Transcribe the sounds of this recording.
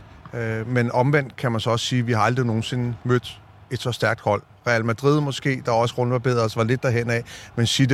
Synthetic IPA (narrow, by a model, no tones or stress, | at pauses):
menɒ̽mʋen̰d̥̚kʰæmænsɒ̽ɒ̽ssiːʋihɑ̈ɑ̈ld̥ʁino̝ːn̩se̝nmød̥ | e̝d̥sɒ̽sd̥æɐɡ̥d̥hɒ̽l̰ | ʁɛælmæd̥ʁið̞̰ˠmɒ̽sɡ̥e̝̰ːd̥ɑ̈ɒ̽səʁɔ̽nʋɑ̈b̥e̝ð̞̰ˠɐsʋɑ̈le̝d̥̚ːæɦen̰ɛmensid̥